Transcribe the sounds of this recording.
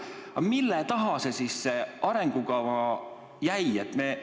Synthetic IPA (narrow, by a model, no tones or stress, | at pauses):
ɑmilːet̪ɑɦɑsesiːsːeɑɾeŋɡ̥ukɑʋɑ | jæjet̪ne